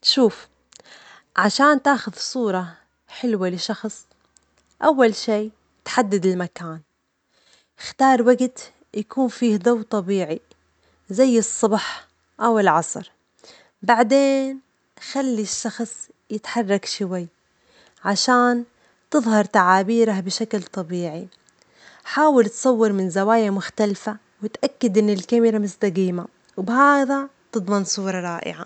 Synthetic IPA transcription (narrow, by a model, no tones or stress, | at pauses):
ʃuːf | ʕaʃaːnt̪aːxʊðsˤuːɾˤɑ | ħɪlwalɪʃɑxsˤ | ʔawːalʃiː | t̪ħad̪ːad̪ɪlmakaːn | xt̪ɑːɾˤwaɡt̪ | jakuːnfiːhd̪awt̪ˤɑbiːʕi | zajːɨsˤːɑbħ | ʔawɪlʕɑsˤɾ | baʕd̪eːn | xalːiʃːɑxsˤ | jɪt̪ħɑrˤːɑkʃʊwajː | ʕaʃaːn | t̪ɨðˤhɑɾˤt̪aʕaːbiːɾahbɪʃaklt̪ˤɑbiːʕi | ħaːwɪlt̪sˤɑwːɪɾmɪnzawaːjamʊxt̪alfa | wɪt̪ʔakːad̪ʔɪnːɪlkamɪɾamʊst̪aɡiːma | wbhaːðat̪ɨd̪ˤmɑnsˤuːɾˤɑɾˤɑːʔɪ̰ʕa̰